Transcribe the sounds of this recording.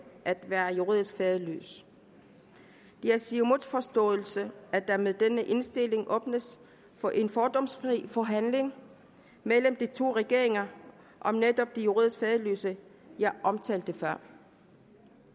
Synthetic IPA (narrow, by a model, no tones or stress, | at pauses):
ʔæd̥ʋæːɐjuʁḭðˠisɡ̥fɛːðˠly̰ːs | d̥eæsimoðˠfɒ̽sd̥ɔ̰̽ːl̩səæd̥ɑ̈meðˠd̥enəʔe̝nsd̥e̝le̝ŋʔɔ̽ːb̥nəs | fɒ̽ʔe̝nfɒːd̥ɒ̽msfʁḭːfɒɦænle̝ŋ | meləmd̥it͡sʰo̝̰ːʁɛɡ̥e̝ɐ̰e̝ŋɐ | ʔɒ̽mned̥ɒ̽b̥̚d̥ijuʁḭðˠsɡ̥fɛːðˠəly̰ːsə | jɑ̈ɪʔɒ̽mt͡sʰɛ̰ːld̥əfɶɐ̰